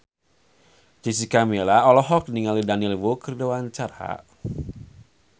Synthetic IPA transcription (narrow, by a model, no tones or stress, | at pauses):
d͡ʒisikamelaɔlɔɦɔk̚niŋalidaniɛlwokərdowant͡ʃaɾa̰